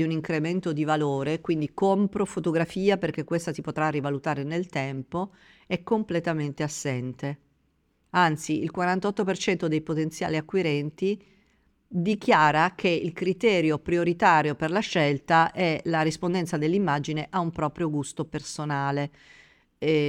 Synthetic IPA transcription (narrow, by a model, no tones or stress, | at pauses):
iuniŋkɾement̪od̪ivaloːɾekwind̪ikompɾofot̪oɡɾafiːaperk̟ekːwest̪asipot̪ɾarːivalut̪aːɾenelt̪ɛmpo | ɛkːomplet̪ament̪easːɛnt̪e | ant̪siilkwaɾant̪ɔt̪ːopert͡ʃɛnt̪od̪ejpot̪ent̪sja̰ːliakːwiɾɛnt̪i | d̪ik̟jaːɾakʰeilkɾit̪ɛːɾjopɾioɾit̪aːɾjoperlaʃːɛlt̪aʔɛlaɾispond̪ɛnt̪sad̪elːimːad͡ʒineʔaumpɾɔːpɾjoɡust̪opersonaːle